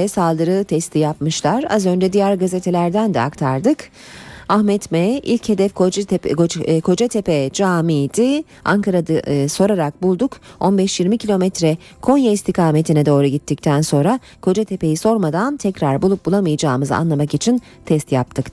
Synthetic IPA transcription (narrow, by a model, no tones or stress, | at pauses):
ɛsalˠd̪ɯɾɯt̪ʰɛst̪ʰijapmɯʃlˠaɾa̰zø̞nd͡ʒɛd̪ijæɾɡazet̪ʰe̞lʲæɾd̪ænd̪ɛa̰kt̪ʰaɾd̪ɯk | ahmɛt̪mɛilʲche̞d̪ɛf | kʰo̞d͡ʒat̪ʰepɛd͡ʒaːmid̪i | a̰ŋkʰaɾad̪aso̞ɾaɾak̚bulˠd̪uko̞nbɛʃjiɾmicʰilʲo̞mɛt̪ɾɛ | kʰo̞njaist̪ʰikʰaːme̞t̪ʰinɛd̪o̞ːɾuɟit̪ʰːic̚t̪ʰænso̞nɾa | kʰo̞d͡ʒat̪ʰe̞pe̞jiso̞ɾmad̪ant̪ʰɛcɾaɾbulˠup̚bulˠamɯjad͡ʒaːɯmɯza̰nlˠamakit͡ʃʰin | t̪ʰɛst̪jap̚t̪ʰɯk